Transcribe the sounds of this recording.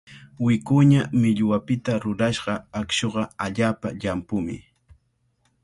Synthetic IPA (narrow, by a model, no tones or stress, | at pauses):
wɪkʊɲamɪʎwapɪt̪aɾʊɾaʃɢɑakʃoɢɑaʎaːpaʎampʊmɪ̰